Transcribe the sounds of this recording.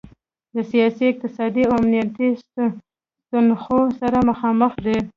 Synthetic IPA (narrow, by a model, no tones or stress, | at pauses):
d̪əsijɑsiɪq̚t̪ɪsɑd̪iaamnijat̪is | t̪ʊnxosaɾaməxɑməxd̪e